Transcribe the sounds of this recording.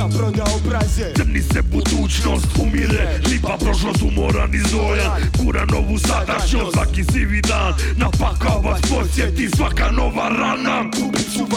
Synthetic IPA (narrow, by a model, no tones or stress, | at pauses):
zɛmnisɛbud̪ut͡ʃnost̪umiɾɛ̰ | lipapɾɔʃnɔt̪umɔɾa̰nizɔjakuɾanɔvusad̪aʃɔt̪ʋakisivid̪annapakavaspɔsjɛt̪isvakanɔvaɾana